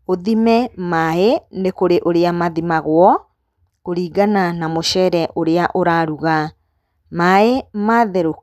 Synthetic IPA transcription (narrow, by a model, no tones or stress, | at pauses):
oðimɛmaenekoɾeʔoɾeamaðimaɣwɔ | oɾiːɡananamoʃɛːɾɛʔoɾeaʔoɾaɾuɣa | maemaːðɛɾo